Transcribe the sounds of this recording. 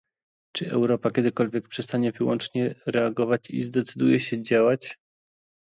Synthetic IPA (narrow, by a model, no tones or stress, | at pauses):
t͡ʂɘʔɛ̰wɾɔpakʲɛd̪ɘkɔlvʲjɛk̚pʂɛst̪aɲɛvɘwɔnt͡ʂɲɛɾɛaɡɔvat͡ɕḭzd̪ɛt̪sɘd̪ujɛɕɛd͡ʑawat͡ɕ